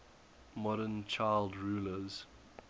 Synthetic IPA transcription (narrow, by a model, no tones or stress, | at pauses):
mɔɾənt͡ʃʰaɪlˠdɹuːləz̥